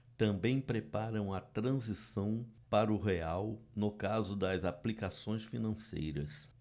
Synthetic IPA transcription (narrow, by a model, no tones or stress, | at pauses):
t̪ɐ̃bẽj̃pɾepaɾɐ̃w̃ɐt̪ɾɐ̃zisɐ̃w̃paɾʊɦeawnʊkazʊd̪ɐzaplikasõj̃sfinɐ̃sḛjɾɐs